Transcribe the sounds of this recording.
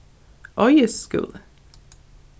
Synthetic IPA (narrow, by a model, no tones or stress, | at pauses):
ʔɔʏəskʉ̰l